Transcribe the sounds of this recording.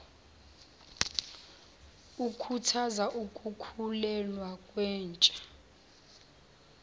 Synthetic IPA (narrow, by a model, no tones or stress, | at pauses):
ukʰutʰazaʔukʼukʰulɛlwakʼwɛːnt͡ʃʼḁ